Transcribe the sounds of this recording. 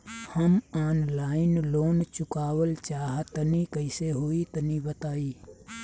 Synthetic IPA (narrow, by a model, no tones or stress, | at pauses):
həmaːnlaːɪnloːnt͡ʃʊkaːwəlt͡ʃaːɦt̪ənikəɪseɦoːit̪ənibət̪aːiː